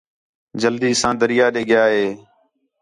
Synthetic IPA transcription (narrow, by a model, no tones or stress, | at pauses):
d͡ʒəld̪iːsãːd̪əɾɪjaːɗeːɠɪjaːɦeː